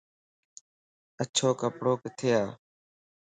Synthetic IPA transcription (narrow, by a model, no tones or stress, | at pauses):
ət͡ʃʰoːkəpɽoːkɪt̪ʰɪjaː